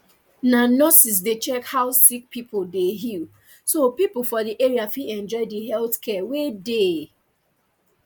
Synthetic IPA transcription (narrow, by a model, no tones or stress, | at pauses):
nanɔsis̬det͡ʃɛkhaʊsik̚pʰipodeɦil | sopip̩fɔdiʔeɹiafiɛ̃nd͡ʒɔɪdiɦɛlθkʰɛwede